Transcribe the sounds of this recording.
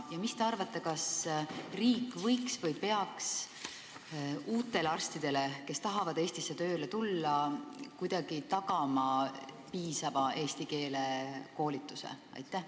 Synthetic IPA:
jɑmist̪eɑrvɑt̪ːˑekɑsriːkːvɤ̞jksvɤjpe̞ɑks | uːt̪ːˑe̞leɑrst̪id̪̥e̞leke̞st̪ɑɦɑvɑd̪̥e̞ːsʲt̪isːet̪ø̞ːlet̪ulːɑkujd̪̥ɑɡ̥it̪ɑɡ̥ɑmɑpiːsɑvɑe̞ːst̪ike̞ːle̞ko̞ːlʲit̪ːˑuse̞̰ɑ̰jt̪ˑːæh

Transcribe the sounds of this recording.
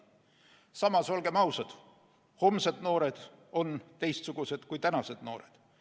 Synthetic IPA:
sɑmɑso̞lɡ̥e̞mɑwsɑd̪̥ | ho̞msed̪̥no̞ːɾe̞d̪̥o̞nt̪e̞jst̪suɡ̥use̞d̪̥kujt̪ænɑse̞d̪̥no̞ːɾed̪̥

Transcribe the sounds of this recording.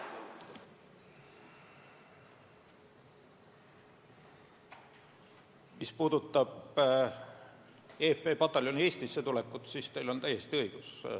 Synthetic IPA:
mispuːd̪ut̪ːˑɑb | eːfpe̞ːpɑt̪ːˑɑlʲo̞nie̞ːsʲt̪isːe̞t̪ule̞kːˑut̪siːst̪e̞jlo̞nt̪æje̞st̪iɤiɡ̥us

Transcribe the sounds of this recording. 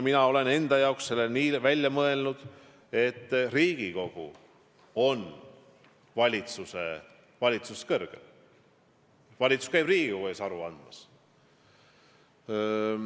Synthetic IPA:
minɑo̞le̞ne̞nd̪̥ɑjɑoksse̞lːeniːvælʲjɑmɤe̞lnud̪̥ | e̞t̪ːriːɡ̥iko̞ɡ̥ṵ | o̞n | vɑlʲit̪susḛ | vɑlʲit̪suskɤrɡ̥ḛl | vɑlʲit̪su̥skæjbriːɡiko̞ɡuesɑɾuɑnd̪̥mɑs

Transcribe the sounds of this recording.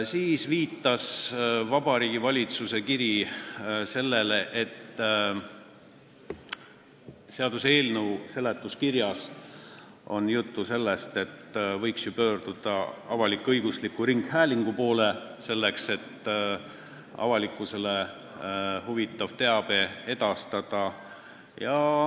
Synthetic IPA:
siːsviːt̪ːˑɑsvɑb̥ɑɾiːɡivɑlʲit̪suse̞kiɾi | se̞lːe̞leʔet̪ː | se̞ɑd̪useːlnəwse̞let̪ːˑuskirjɑs | o̞̰njut̪ːuse̞lːest̪e̞t̪ːvɤjksjupø̞ːrd̪̥ud̪̥ɑɑvɑlikˑːɤjɡ̥uslikːˑuɾiŋɡhæːlʲiŋɡ̥upo̞ːlese̞lːekse̞t̪ː | ɑ̰vɑlikːˑuse̞le | huvit̪ːˑɑvt̪e̞ɑb̥e̞e̞d̪̥ɑst̪ɑd̪̥ɑ | jɑ

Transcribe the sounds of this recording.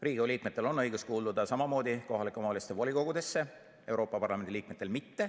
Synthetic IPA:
riːɡ̥ioliːk̚me̞t̪ːˑe̞lo̞nːɤjɡuskuːld̪ud̪ɑsɑmɑmo̞ːd̪iko̞ɦɑlikːˑomɑːlʲist̪evolʲiko̞ɡ̥ud̪e̞sːe̞ | e̞wɾo̞ːpːˑɑpɑrlɑme̞nd̪iliːkme̞t̪ːˑe̞lmit̪ːe̞

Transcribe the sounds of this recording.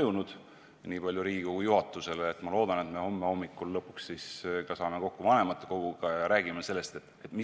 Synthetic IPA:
junud̪̥ | niːpɑlʲjuɾiːɡikoɡ̥ujuɦɑt̪ːˑuse̞leːt̪ːˑmɑlo̞ːd̪̥ɑne̞t̪me̞ho̞mːeo̞mːikːˑulːɤpːuksːiskɑsɑːme̞ko̞kːuvɑne̞mɑt̪ːˑe̥ko̞ɡ̥uɡ̥ɑjɑɾæːɡ̥imese̞lːe̞st̪e̞t̪ːˑet̪ːˑmi

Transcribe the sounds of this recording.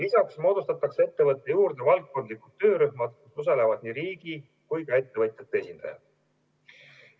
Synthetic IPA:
lisɑksmo̞ːd̪ust̪ɑt̪ːˑɑkse̞t̪ːe̞vɤt̪ːˑe̞juːrd̪̥e̞vɑlk̪̚ko̞nd̪likut̪ːø̞ːɾyhmɑd̪̥kusus̬ɑlevɑd̪̥niɾiːɡ̥i | kujkɑe̞t̪ːe̞vɤt̪ʲˑjɑt̪ːeesind̪̥ɑ̰jɑ̰̥

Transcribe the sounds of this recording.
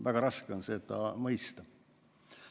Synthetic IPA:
væɡ̥ɑɾɑske̞onse̞t̪ɑmɤjst̪ɑ

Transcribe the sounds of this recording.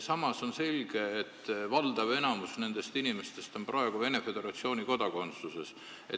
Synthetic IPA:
sɑmɑso̞nse̞lʲɡ̥e̞ːt̪ːvɑld̪̥ɑve̞nɑmusne̞nd̪̥e̞st̪inime̞st̪e̞st̪o̞mprɑe̞ɡ̥uve̞ne̞fe̞d̪̥e̞ɾɑt̪sio̞ːniko̞d̪̥ɑko̞nt̪suse̞s | ḛ

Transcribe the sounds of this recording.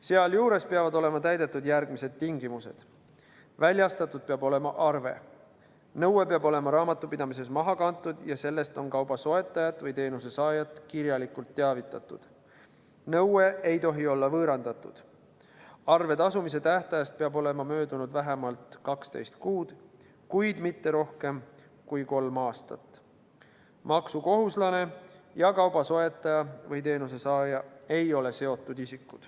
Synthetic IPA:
se̞ɑljuːɾe̞speɑvɑd̪o̞le̞mɑt̪æjd̪e̞t̪ˑːud̪jærɡ̥mise̞d̪̥̚t̪iŋɡimuse̞̰d̪̥ | vælʲjɑst̪ɑt̪ːˑud̪̥̚peɑbo̞le̞mɑ̰ʔɑrve̞̰ | nɤwe̞peɑbo̞le̞mɑɾɑːmɑt̪ːˑupid̪̥ɑmis̬e̞smɑɦɑkɑnt̪ːˑud̪jɑse̞lːe̞st̪o̞nkɑwbɑso̞e̞t̪ːˑɑjɑt̪ːˑvɤjt̪e̞ːnuse̞sɑːjɑt̪ːˑkiɾjɑlikult̪ːeɑvit̪ˑːɑt̪ːˑud̪̥ | nɤwe̞ʔe̞jt̪o̞ɦio̞lːɑvɤːɾɑnd̪̥ɑt̪ːˑud̪̥ | ɑrve̞t̪ɑsumis̬e̞t̪æht̪ɑjɑst̪̚peɑbo̞le̞mɑmø̞ːd̪unud̪̥væɦemɑlt̪kɑkst̪e̞̰jst̪kuːd̪̥ | kujd̪mit̪ːe̞ɾo̞hke̞m | kujko̞lmɑːst̪ɑ̰t̪ˑ | mɑksuko̞ɦuslɑne̞jɑkɑwbɑso̞e̞t̪ːˑɑjɑvɤjt̪e̞ːnuse̞sɑːjɑe̞jo̞le̞se̞o̞t̪ːˑud̪isikːˑud̪̥

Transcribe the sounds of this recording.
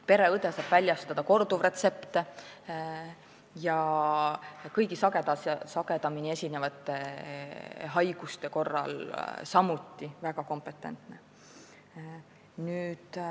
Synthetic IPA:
pe̞ɾe̞ɤd̪esɑb̥vælʲjɑst̪ɑd̪̥ɑko̞rd̪uvre̞t̪se̞pt̪e | jɑ | kɤjɡ̥isɑɡ̥e̞d̪ɑssɑɡ̥e̞d̪ɑminie̞sʲinevɑt̪ːˑe | ɦɑjɡ̥ust̪e̞ko̞rːɑ̰lsɑmut̪ˑːivæɡ̥ɑko̞mpe̞t̪ːˑe̞̰nt̪ne̞ | nyːd̪̥

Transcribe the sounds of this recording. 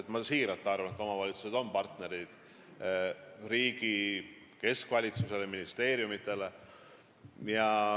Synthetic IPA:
et̪mɑsiːɾɑt̪ːˑeɑrvɑnet̪ːˑo̞mɑvɑlʲit̪suse̞d̪o̞mpɑrt̪ne̞ɾid̪̥ | ɾiːɡ̥i | ke̞skvɑlʲit̪suse̞leminist̪e̞ːɾjumit̪ːˑe̞le̞ | jɑ

